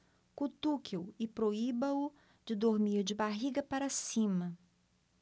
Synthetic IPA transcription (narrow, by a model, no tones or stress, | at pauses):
kut̪ukewɪpɾoibɐʊ | d͡ʒɪd̪oɾmiɾd͡ʒɪbaɦiɡɐpaɾɐsĩmɐ